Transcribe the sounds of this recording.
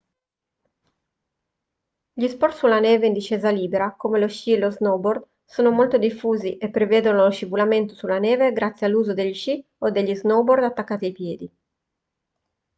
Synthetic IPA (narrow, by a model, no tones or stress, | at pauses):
ʎispɔrt̪sulaneːveind̪iʃeːzaliːbeɾakomeloʃieloznobord̪ | soːnomolt̪od̪ifːuːziʔepːɾeveːd̪onoloʃivulament̪osulaneːveɡɾat̪sːjalːuːzod̪eʎːʃi | od̪eʎːiznobord̪at̪ːakːaːt̪iajpjɛːd̪i